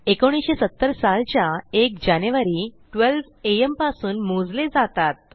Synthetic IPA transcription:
ekoɽ̃isɕesət̪ːəɾsalt͡ɕjaek̚d͡ʑanjuʋaɾi | ʈʋelʋ | eempasuːnmud͡zled͡zat̪at̪̚

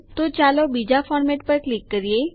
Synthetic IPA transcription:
t̪ot͡ʃalobid͡ʒafʰɔːɾmeʈpəɾklikːəɾie

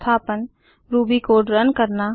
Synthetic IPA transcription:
t̪ʰaːpən | ɾuːbikoːɖɾənkəɾna

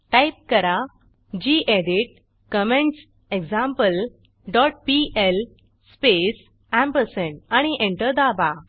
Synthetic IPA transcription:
ʈajp̚kəɾa | d͡ʑiʔeɖiʈ̚ | kəmẽɳʈs | eɡd͡zãmpəl | ɖɔʈ̚piel | spes | ãmpəɾsənaɽ̃iʔẽɳʈəɾd̪aba

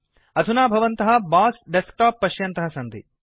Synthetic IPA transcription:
ɐd̪ʱunaːbʱɐʋɐnt̪ɐɦɐ̆baːsɖesk̚ʈaːpːɐʃjɐnt̪ɐɦɐsɐnd̪ḭ

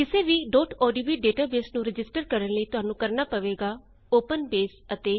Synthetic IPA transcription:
kɪseːʋiːɖoːʈʰɔːɖiːbiːɖeːʈaːbeːsnũɾɪd͡ʒɪsʈəɾkəɾənləiːt̪ʊɦaːnũːkəɾnaːpəʋeːɡaː | oːpənbeːsət̪eː

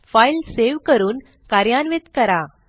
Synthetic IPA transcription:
fajlseʋkəɾuːn | kaɾjanʋet̪kəɾa

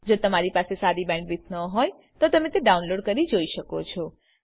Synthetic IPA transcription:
d͡ʒot̪əmaɾipasesaɾibɛ̃ɳɖʋit̪ʰnəɦɔj | t̪ot̪əmẽt̪eɖaunloɖkəɾid͡ʒoiʃəkot͡ʃʰɔ

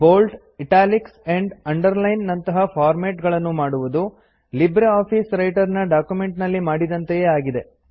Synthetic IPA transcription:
boːlʈ | iʈaːlikseɳɖɐɳɖɐɾlɐjnːɐnt̪ɐɦɐfʰaːɾmeːʈɡɐɭɐnːumaːɽuʋud̪u | libɾeaːpisɾɐjʈɐɾnɐɖaːkjume̞ɳʈnɐlːimaːɽid̪ɐnt̪ejeːaːɡid̪e̞

